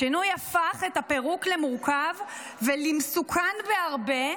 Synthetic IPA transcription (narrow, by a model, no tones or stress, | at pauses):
inujafaχetape̞ʁuklemuʁkav | velimsukʰanbeaʁbe̞